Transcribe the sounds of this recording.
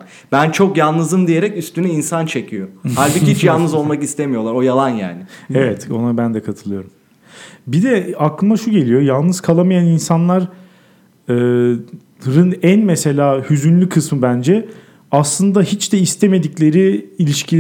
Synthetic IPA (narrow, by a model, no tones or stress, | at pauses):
b̥ænt͡ʃʰo̞kjalˠnɯzɯmd̪ijeɾɛcyst̪ynɛinsant͡ʃʰe̞cʰijohalʲbihit͡ʃjalˠnɯzo̞lˠmakist̪ʰe̞mijo̞lˠaɾo̞jalˠanja̰ːnɪevɛt̪o̞nabænd̪ɛkʰat̪ʰɯlˠɯjo̞ɾum | bid̪ɛaklˠɯmd̪aʃuɟe̞lʲijo̞jalˠnɯz̥kʰalˠamajaninsanlˠaɾ | ɯː | ɾɯnænmese̞lʲaːhyzynlʲykʰɯsmɯbænd͡ʒɛ | aslˠɯnd̪aɦit͡ʃd̪ɛist̪ʰeme̞d̪iclʲe̞ɾiːlʲiʃcʰi